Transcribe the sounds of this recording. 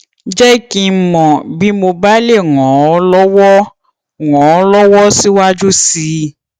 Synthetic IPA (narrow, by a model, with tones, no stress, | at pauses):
d͡ʒɛ˦ki˦mɔ̃˨bi˦mo˧ba˦le˦˨ŋɔ̃˨ɔ˦lɔ˦wɔ˦˨ | ŋɔ̃˨ɔ˦lɔ˦wɔ˦si˦wa˦d͡ʒu˦si˧˦